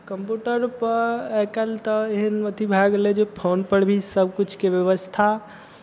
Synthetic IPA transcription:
kəmpjuʈəɾpəɾɛkəlt̪əeɦənmət̪ʰibʱaɡled͡ʒepʰonpəɽbʱisəbʱkut͡ʃʰkebjəʋəst̪ʰa

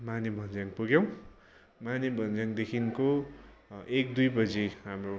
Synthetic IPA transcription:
manibʱʌnd͡zjaŋpuɡjʌw̃ | manibʱʌnd͡zaŋd̪ekʰinko | ek̚d̪ujbʌd͡ziɦamro

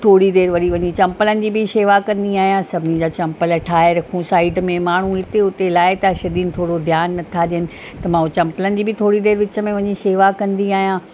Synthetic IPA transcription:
t̪ʰoːɽid̪eːɾʋɐɽiʋɐɲit͡ɕɐ̃mpələnɪ̆d͡ʑiːbʱɪseːʋakɐ̃nd̪iaːɦijãsɐbʱɪnɪd͡ʑaːt͡ɕɐ̃mpəlʈʰaːeɾɐkʰũsaːɪɖmẽmaːɳ̤uɦɪt̪eʊt̪elaːɪt̪ɐʃɐd̪iːnɪ̆t̪ʰoːɽod̪ʱjaːnːɐt̪ʰaɗijənɪ̆ | t̪ɐmãːʊ̃t͡ɕɐ̃mpələnɪ̆d͡ʑiːbʱɪt̪ʰoːɽid̪eːɾʋɪt͡ɕə̆mẽʋɐɲiseːʋakɐ̃nd̪iaːɦijãː

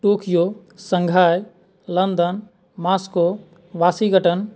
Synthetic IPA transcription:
ʈuːkʰjo | sə̃ŋɡʱaːj | lɐnd̪ən | maːsko | ʋaːsiɡəʈən

